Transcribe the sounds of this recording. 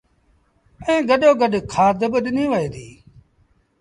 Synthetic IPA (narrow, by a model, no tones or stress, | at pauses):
ẽːɡəɗoːɡəɗkʰaːd̪əbəɗnĩːʋəeːd̪iː